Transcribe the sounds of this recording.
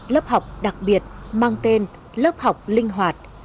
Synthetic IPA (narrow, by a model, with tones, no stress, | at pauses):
ləː˦˥p̚ha˨˩wk͡p̚ɗa˨˩k̚ɓi˨˩ət̚maː˧ŋt̪e˧n | ləː˦˥p̚ha˨˩wk͡p̚lï˧ŋ̟ɦwaː˨˩t̚